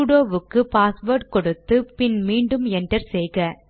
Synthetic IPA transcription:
ɽoːʋɯkːɯpaːsʋoːɾʈ̚kɔɽɯt̪ːɯpɪnmiːɳɖɯmɛnɖɐɾsɛjɣɐ

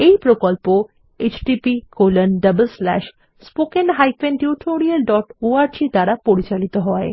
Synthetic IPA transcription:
ejpɾokolpo | et͡ɕɖipikolənɖəbəlslɛ̰ʃ | spokenɦajfenʈjuʈʰoɾialɖɔʈoaɾd͡ʑit̪aɾapoɾit͡ɕalit̪oɦɔe

